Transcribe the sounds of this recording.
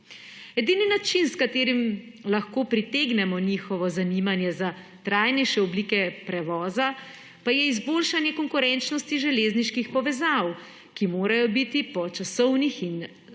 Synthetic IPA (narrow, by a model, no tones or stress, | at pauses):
ɛd̪iːninat͡ʃinskat̪eːɾim | laxkoːpɾit̪eːɡnɛmɔniːxɔʋɔzaniːmanjɛza | t̪ɾaːjnɛjʃɛɔbliːkɛpɾɛʋɔːza | pajɛizboːlʃanjɛkɔŋkuɾɛnt͡ʃnɔst̪iʒɛleːzniʃkixpɔʋɛzaw | kimoːɾajɔbit̪ipɔt͡ʃasɔwnixin